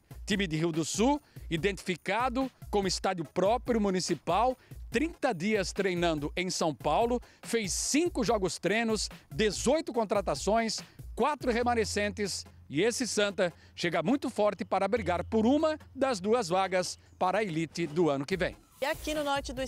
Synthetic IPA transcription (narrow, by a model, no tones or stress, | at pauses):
t̪imɪd̪ɪɦiwd̪ʊsuid̪ẽnt̪i̥fikad̪ʊkõʊɪst̪ad͡ʒ̪jʊpɾɔpɾjʊmunisipawt̪ɾĩnt̪ɐd͡ʒ̪iɐst̪ɾejnɐ̃nd̪ʊʔẽj̃sɐ̃w̃pawlʊfejsːĩŋkʊʒɔɡʊst̪ɾẽnʊsd̪ezojt̪ʊkõt̪ɾat̪asõj̃skwat̪ɾʊɦemɐ̃nesẽnt̪ɪsɪesɪsɐ̃nt̪ɐ | ʃeɡamũj̃t̪ʊfɔɾt̪ɪpaɾɐbɾiɡaɾpʊɾũmɐd̪ɐzd̪uɐzvaɡɐs | paɾɐelit͡ʃ̪ɪd̪ʊɐ̃nʊkɪvẽj̃ | akinʊnɔɾt͡ʃɪd̪ʊ